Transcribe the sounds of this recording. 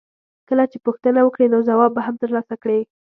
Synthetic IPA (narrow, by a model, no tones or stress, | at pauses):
kəlat͡ʃepuxt̪ənawəkɽenozawɑbːaɦamt̪əɾlɑsakɽe